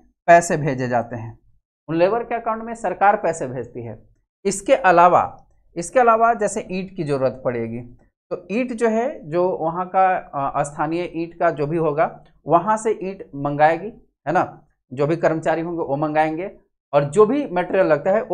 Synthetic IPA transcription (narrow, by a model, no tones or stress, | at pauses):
pɛːsebʱeːd͡ʒed͡ʒa̰ːt̪eɦɛ̃ː | ʊnleːʋəɾkeɐkãʊ̃ɳʈmẽsɐɾkaːɾpɛːsebʱeːd͡ʒt̪iɦɛ̰ː | ɪskeʔɐlaːʋa̰ | ɪskeɐlaːʋad͡ʒɛːseʔiːʈkizɐɾuːɾət̪pɐɽ̤ḛːɡiː | t̪oiːʈd͡ʒoːɦɛd͡ʒoːʋɐɦãkast̪ʰaːnijəʔiːʈkad͡ʒoːbʱiɦoːɡa | ʋɐɦãseʔiːʈmɐ̃ŋɡaːeːɡi | ɦɛːna | d͡ʒoːbʱikɐɾmət͡ʃaːɾiɦõːŋɡeʋomɐ̃ŋɡaːẽːŋɡe | ɔːɾd͡ʒoːbʱimeːʈːɾijəlːɐɡ̚t̪aɦɛʔo